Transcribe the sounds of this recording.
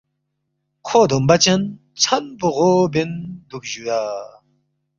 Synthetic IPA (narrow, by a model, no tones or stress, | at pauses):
kʰod̪ompat͡ɕan | t͡sʰanpoʁobend̪uk̚ʑuja